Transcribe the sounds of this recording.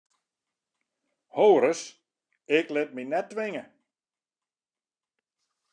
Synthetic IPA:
howɾəs | ɪklɪt̚minɛt̚dʋɪŋə

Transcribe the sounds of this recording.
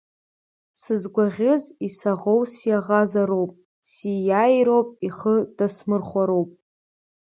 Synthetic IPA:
sɨzɡʷaʁʲɪzisaʁowsjaʁazaɾo̞wpʼ | sijajɾowpʼiχəd̥asmɨrχʷaɾo̞wpʼ

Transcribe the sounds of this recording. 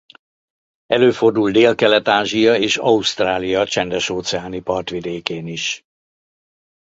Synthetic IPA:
ɛløːfo̞rd̪uld̪eːlkɛlɛt̪aːʒijɒeːʃɒust̪raːlijɒt͡ʃɛnd̪ɛʃoːt̪sɛaːnipɒrt̪ʋid̪eːkeːniʃ

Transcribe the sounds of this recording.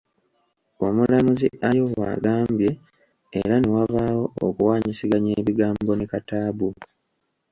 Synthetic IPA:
o̞mulamuziʔajo̞wa̰ɡaːmbje̞̰ː | ɾanewaβawo̞ːkuwaːɲisiɡaɲeːβiɡaːmbo̞nekataːβu

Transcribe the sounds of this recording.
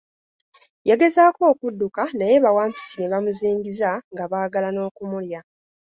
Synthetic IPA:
jeɡe̞zaːko̞ːkudːukanaje̞βawaːmpi̥sine̞βamuziːŋɡizaŋɡaβaːɡalano̞ːkumulja

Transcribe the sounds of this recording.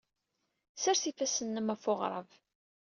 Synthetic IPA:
sæɾθifæsənːəmæfoʁɾˤə̰v

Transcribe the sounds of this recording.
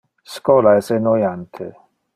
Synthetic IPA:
skɔlaɛsenojant̪ʰḛ

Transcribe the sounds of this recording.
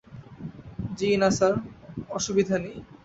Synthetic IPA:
d͡ʑinasaɾɔʃubid̪ʱani

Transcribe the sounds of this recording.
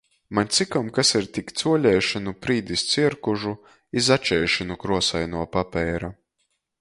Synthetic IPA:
manʲt̪sikɔmkasiɾt̪ikt̪suɔlʲɛːʃanupɾiːd̪ist̪siɛɾkuʒu | izat͡ʃɛːʃɔnukɾuɔsajnuɔpapʲɛːɾa

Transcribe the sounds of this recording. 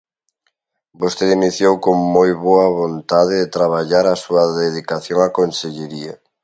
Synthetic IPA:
bost̪eðiniθjowkoŋmojβoɐβont̪aðeðet̪ɾaβ̞aʎaɾasuaðeðikaθjoŋakonseʎeɾia

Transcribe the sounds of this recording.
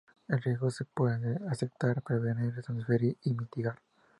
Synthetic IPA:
elrjezɣosepweðeasep̚t̪aɾpɾeβeniɾet̪mosfeɾiimit̪iɣaɾ

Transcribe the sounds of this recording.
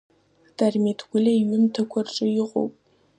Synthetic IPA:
d̥armetʰɡʷʊlʲɐiɥʊmtʰɐkʷʰarʈ͡ʂʼɨjɪqʷʼo̰wpʼ

